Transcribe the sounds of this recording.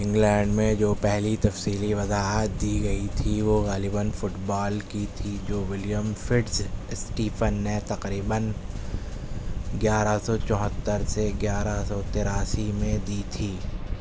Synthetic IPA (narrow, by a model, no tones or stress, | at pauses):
ɪ̃ŋɡlɛ̃ːɳɖmẽd͡ʒoːpɛɦlit̪ɐfsiːliʋɐzaːɦət̪̚d̪iːɡɐit̪ʰiʋoɣaːlɪbənfʊʈbaːlkit̪ʰid͡ʒoːʋɪljəmfʰɪɖssʈiːpənːet̪ɐqɾiːbən | ɡjaːɾasɔt͡ʃɔ̃ːɦət̪ːəɾseɡjaːɾasɔt̪ɪːɾaːsimẽd̪iːt̪ʰiː